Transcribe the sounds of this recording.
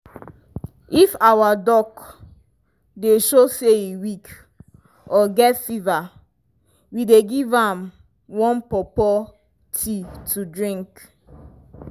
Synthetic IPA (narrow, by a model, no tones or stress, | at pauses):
ifawadɔk | deʃoseiwik | ɔɡɛtfiva | wideɡivãm | wɔ̃npɔpɔ | tʰitʰudɹĩŋk